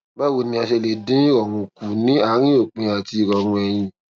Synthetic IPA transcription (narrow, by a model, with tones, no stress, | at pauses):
ba˦wo˨nĩ˧a˧ʃe˧le˨dĩ˨˦ɾɔ˨ɾũ˧ku˨nĩ˨˦a˦˨˦ɾ̃ĩ˦o˦˨k͡pĩ˧a˨ti˧˨ɾɔ˨ɾ̃ũ˧ɛ˧j̃ĩ˧